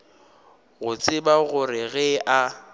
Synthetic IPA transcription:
ɣʊt͡sʼɪbaɣʊɾɪɣɛʔa

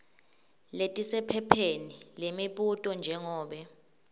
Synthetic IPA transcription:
letʼisɛpʰɛpʰenilemiɓutʼɔnd͡ʒʱɛŋɔːɓɛ

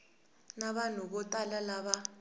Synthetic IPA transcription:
naɓanɔɓɔtʼalalaɓa

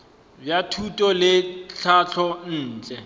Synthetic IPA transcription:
bjatʰutʼɔlɪɬʰat͡ɬʰɔn̩ːt͡ɬʼɛ

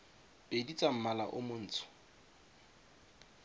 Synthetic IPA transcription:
pʼedit͡sʼam̩malaʔʊmʊn̩ːt͡sʰʊ̥

